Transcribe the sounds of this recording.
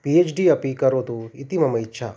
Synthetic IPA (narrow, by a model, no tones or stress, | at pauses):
piet͡ʃɖiɐpikɐɾoːt̪uit̪imɐmɐitːʃʰa̰